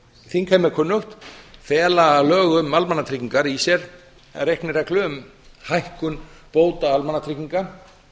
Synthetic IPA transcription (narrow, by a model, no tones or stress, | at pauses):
θinkʰamɛɾkʰʏnːʏxt̪fɛːlaːlœːɣʏmːalmanːat̪ʰɾiciŋkaɾisjɛɾ | ɛ̰ɾejhknɪrɛklʏʏm | hajhkʏnpoːwt̪aalmanːat̪ʰɾikiŋkan